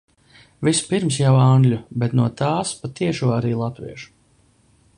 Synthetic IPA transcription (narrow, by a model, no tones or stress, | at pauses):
vispiɾmsjawaŋɡlʲubɛt̪nuɔt̪aːspat̪iɛʃuɔaɾiːlˠat̪vḭɛʃu̥